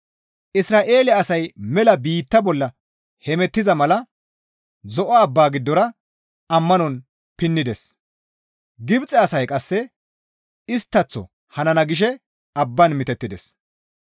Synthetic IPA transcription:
ʔɪsɾaːʔe̞ːlɪɐɐsɐjmɛlɐbiːt̪ːɐbɔlːɐ | hɛmɛt̪ːɪzɐmɐlɐ | zɔʔɐːbːaːɡɪd̪ːɔɾɐ | ɐmːɐnɔn | pɪnːɪd̪ɛs | ɡɪbt͡sʼːɛɐsɐjkʼɐsːɛ | ɪst̪ːɐt͡sːɔ̰ | hɐnɐnɐɡɪʃ̬ɛ | ɐbːɐnmɪt̪ɛt̪ːɪd̪ɛs

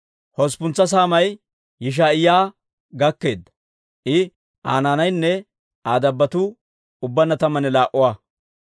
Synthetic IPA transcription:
hɔspʊnt͡sːɐs̬aːmɐj | jɪʃ̬aːɪjaː | ɡɐkːe̞ːd̪ːɐ̥ | ʔɪ | ʔaːnaːnɐjnːɛ | aːd̪ɐbːɐt̪ʊ | ʊbːɐnːɐt̪ɐmːɐnɛlaːʔʊwaː

